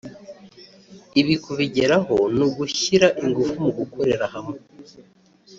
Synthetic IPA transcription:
iβikuβiɟeɾaɦo̞nuɡuɕiɾaʔiŋɡufumuɡukʰo̞ɾe̞ɾahamwe

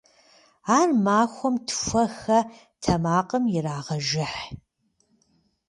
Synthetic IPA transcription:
aːrmaːxʷɔmtʰfʷɐxɐ | tʰɐmaːqʼəmjɪraːʁɐʒɪħ

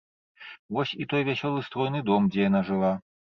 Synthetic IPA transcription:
vɔsʲit̪ɔjvʲasʲɔlˠɨst̪ɾɔjnɨd̪ɔmd͡zʲɛjanaʐɨlˠa

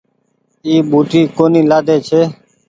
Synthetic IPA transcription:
iːɓuːʈiːkoːniːlaːd̪eːt͡ʃʰeː

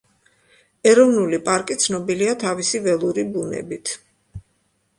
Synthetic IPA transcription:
ɛɾɔvnulipʼaɾkʼit̪sʰnɔbiliat̪ʰavisivɛlˠuɾibunɛ̰bit̪ʰ

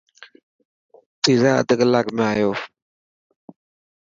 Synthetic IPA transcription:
tizaə̰d̪əklakmajɔ

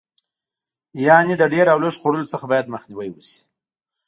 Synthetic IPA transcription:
jɑnid̪əɖeɾawləʃxoɽəlot͡səxabɑjad̪məxniwajwusi̥

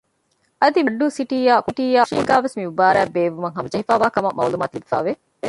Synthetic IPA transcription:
ʔɐd̪imɐɖːuːsiʈiːjaːkuʈiːjaːʃilɡæːʋesmiubaːɾæːbeːʋumɐŋɦɐmɐd͡ʒɐɦifaːʋaːkɐmɐmʔɐ̰ulumaːt̪ilibifa̰ːʋe

